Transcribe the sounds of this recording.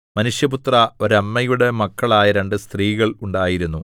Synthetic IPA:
mɐnuʂjɐput̪rɐo̞ɾɐmːɐjuɽe̞mɐkːɐɭaːjɐɾe̞ɳɖɨst̪riːɣɐɭuɳɖaːjiɾunːu

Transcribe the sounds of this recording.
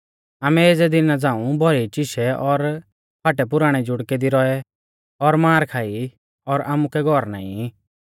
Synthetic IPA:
aːmɛeːd͡zɛd̪ɪnad͡zãːũbʱɔɾɛt͡ʃɪʃɛɔɾ | pʰaːʈɛp̬ʊɾaːɽ̃ɛd͡ʒʊɽkɛd̪iɾɔɛ | ɔɾmaːɾkʰaːi | ɔɾaːmukɛɡʱɔɾna̰ːḭ̃

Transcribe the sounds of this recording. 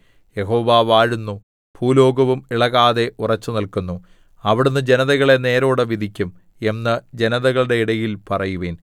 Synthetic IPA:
je̞ɦo̞ːʋaːʋaːɻunːu | pʰuːlo̞ːɡɐʋumiɭɐɣaːðe̞ʔurɐt͡ɕːunɐlkunːu | ɐʋiɽunːɨd͡ʑe̞nɐðɐɣɐɭe̞ne̞ːɾo̞ːɽɨʋid̪ʱikʲːum | e̞nːɐd͡ʑe̞nɐðɐɣɐɭɽe̞iɽɐjilpɐrɐjuʋeːn

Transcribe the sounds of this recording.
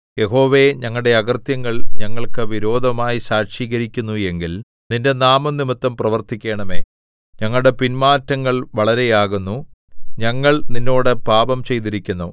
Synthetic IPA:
je̞ɦo̞ːʋe̞ɲɐŋːɐɭɽe̞ɐɡɐrt̪jɐŋːɐɭɲɐŋːɐɭkɨʋiɾo̞ːd̪ʱɐmaːjisaːʂiːɣɐɾikʲːunːue̞ŋɡil | ninde̞naːmɐnːimɐt̪ːɐmprɐʋɐrt̪ikʲːe̞ːɳɐme̞ː | ɲɐŋːɐɭɽe̞pinmaːtːɐŋːɐɭʋɐɭɐɾe̞jaːɣunːu | ɲɐŋːɐɭninːo̞ːɽɨpaːbɐmt͡ɕe̞jt̪iɾikʲːunːo

